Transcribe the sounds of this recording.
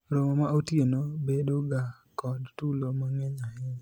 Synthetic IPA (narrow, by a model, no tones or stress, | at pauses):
ɾomomaotjenobedoɡa | kɔdtulomaŋeɲɔhɪn